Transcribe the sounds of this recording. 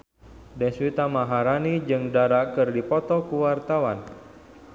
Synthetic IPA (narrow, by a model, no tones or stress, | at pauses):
dɛswit̪amaɦaɾanid͡ʒɨŋdaɾakɨrdipɔt̪ɔkuwart̪awan